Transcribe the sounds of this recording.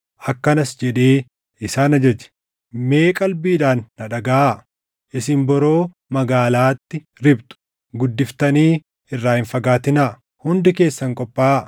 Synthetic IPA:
ʔɐkːɐnɐsd͡ʒɛᶑeː | ɪsaːnɐd͡ʒɛd͡ʒɛ̥ | me̞ːkʼɐlbiːᶑaːnːɐᶑɐɡaʔ | ʔɪsɪmbɔɾo̞ː | mɐɡaːlaːt̪ːɪ | ɾɪbt̪ʊ̥ | ɡʊd̪ːɪft̪ɐniː | ɪrːaːhɪnfɐɡaːt̪ɪnaː | hʊnd̪ɪke̞ːsːɐŋkʼɔpʼːaːʔ

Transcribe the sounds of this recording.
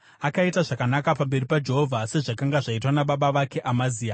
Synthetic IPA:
akaitaʐakanakapambe̞ripad͡ʒe̞ɦovʱase̞ʐakaŋɡaʐaitwanaɓaɓaʋake̞ʔamaziːa

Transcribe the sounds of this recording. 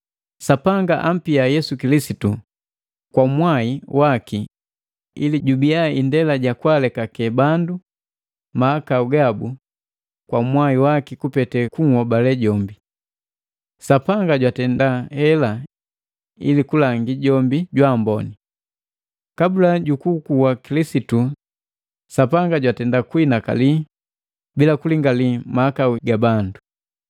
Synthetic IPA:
sapaŋɡaʔam̩piajɛsukilisitu | kwamwaiwaki | ḭliɟubiaindɛlaɟakwalɛkakɛbandu | maakauɡabu | kwamwaiwakikupɛtɛkuŋhɔbalɛɟɔmbi | sapaŋɡaɟwatɛndahɛla | ḭlikulaŋɡiɟɔmbiɟwambɔni | kabulaɟukukuwakilisitu | sapaŋɡaɟwatɛndakwinaka̰li | bilakuliŋɡalimahakauɡabandu

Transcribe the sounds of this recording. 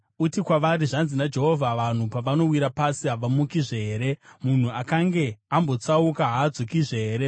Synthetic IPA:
utikwaʋaɾiʐanzinad͡ʒe̞ɦo̞vʱaʋan̤upaʋano̞wiɾapasiɦaʋamukiʐe̞ːɾe̞mun̤uakaŋɡe̞ambo̞t͡saukaɦaːd͡zokiʐeːɾe̞

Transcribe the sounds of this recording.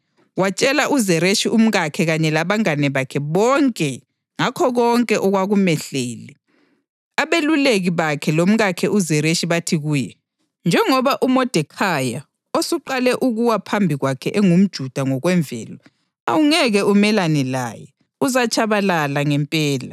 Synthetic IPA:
wat͡ʃʼɛlaʔuzɛɾeʃiʔum̩ɣakʰɛɣaɲɛlaβaŋanɛβakʰɛβɔŋkʼɛ | ŋakʰɔɣɔŋkʼɛʔɔɣwaɣumɛɬeːlɛ | aβeluleɣiβakʰɛlom̩ɣakʰɛʔuzɛɾeʃiβatʰiɣuːjɛ | nd͡ʒʱɛŋɔβaʔumɔd̥ʱɛkʰaja | osuǃalɛʔuɣuwapʰambʱiɣwakʰɛʔeŋum̩d̥ʒ̥ʱud̥ʱaŋɔɣwɛɱvʱɛ̰ːlɔ | a̰wuŋɛɣɛumɛlanɛla̰jɛ | uzat͡ʃʰʼaβalalaŋɛmpʼɛːla̰

